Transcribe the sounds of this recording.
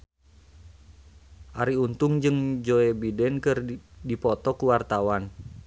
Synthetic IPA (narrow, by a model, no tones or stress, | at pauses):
ʔaɾiunt̪uŋd͡ʒɨŋd͡ʒoebidɛnkɨrdipɔt̪ɔkuwart̪awan